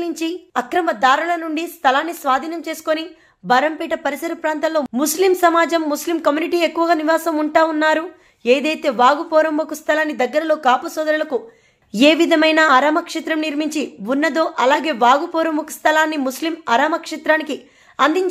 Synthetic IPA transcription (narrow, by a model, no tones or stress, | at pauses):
liɲt͡ʃiɐkɾɐmɐd̪aːɾulɐnuɳɖist̪ʰɐlaːnːisʋaːd̪ʱiːnɐmt͡ʃe̞ːsu̥koni | bɐɾɐmpiːʈɐpɐɾisɐɾɐpɾaːnt̪ɐllo̞ːmuslimsɐmaːd͡ʒɐmːuslimkɐmjuniʈiːekːuʋɐɡaːniʋaːsɐmuɳʈaːunːaːɾu | e̞ːd̪ɐjt̪e̞ːʋaːɡupɔːɾɐmbɐkust̪ʰɐlaːnːid̪ɐɡːɐɾɐlo̞ːkaːpusɔːd̪ɐɾulɐku | eːʋid̪ʱɐmɐjnaːɐɾaːmɐkʂit̪ɾɐmniɾmiɲt͡ʃiʋunːɐd̪o̞ːʔɐlaːɡe̞ːʋaːɡupɔːɾɐmbɐku̥st̪ʰɐlaːnːimuslimɐɾaːmɐkʂit̪ɾaːniki | ɐnd̪iɲt͡ʃ